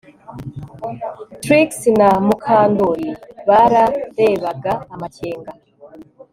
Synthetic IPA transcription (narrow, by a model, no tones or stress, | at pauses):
tɾiksinamukʰaːndoɾiβaɾaɾe̞βaɡaːmaceːŋɡa